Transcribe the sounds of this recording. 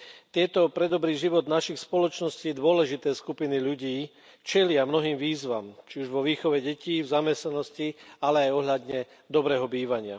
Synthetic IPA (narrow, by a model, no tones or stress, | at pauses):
t̪ɪɛt̪ɔpɾɛd̪ɔbɾiːʒiʋɔd̪naʃixspɔlɔt͡ʃnɔsciːd̪ʊɔlɛʒit̪ɛːskupiniʎuɟiː | t͡ʃɛlɪamnɔɦiːmʋiːzʋa̰mt͡ʃiuʒʋɔʋiːxɔʋɛɟɛciːvzamɛsnanɔscialɛajɔɦʎad̪ɲɛ | d̪ɔbɾɛːɦɔbiːʋaɲɪa̰